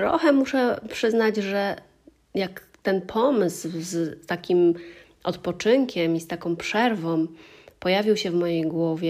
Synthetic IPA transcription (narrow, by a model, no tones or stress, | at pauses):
ɾɔ̰xɛmuʂɛpʂɘznad͡ʑʐɛ | jak | t̪ɛnpʰɔmɘszt̪akʲim | ʔɔt̪pɔt͡ʂɘŋkʲɛmist̪akɔ̃wpʂɛɾvɔ̃mpɔjavʲiwɕɛvmɔjejɡwɔvʲjɛ